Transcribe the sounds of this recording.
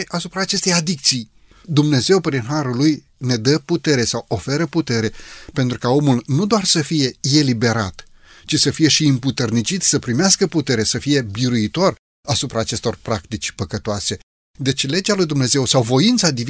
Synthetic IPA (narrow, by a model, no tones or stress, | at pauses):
ʔasupɾaːt͡ʃe̞st̪ejad̪ik̚t̪sij | d̪umne̞ze̞wpɾinɦaɾuluj | ne̞d̪əput̪e̞ɾe̞sawo̞fe̞ɾəput̪e̞ɾe̞pe̞nt̪ɾukao̞mulnud̪oarsəfije̞elibe̞ɾa̰t̪ | t͡ʃisəfije̞ʃiɨmput̪ərnit͡ʃit̪ʲsəpɾimeaskəput̪e̞ɾe̞səfije̞biɾuit̪o̞r | asupɾaːt͡ʃe̞st̪o̞rpɾak̚t̪it͡ʃʲpəkət̪oase̞ | d̪e̞t͡ʃʲle̞d͡ʒalujd̪umne̞ze̞wsawvo̞int̪sad̪iv